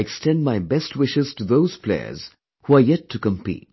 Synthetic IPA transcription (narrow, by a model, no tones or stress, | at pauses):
ɛkstɛ̃nd̚maɪbɛstʰwɪʃɪz̥tuðoʊz̥pʰlḛɪə̰z̥ | huajɛtʰːukə̃mpḭːt̚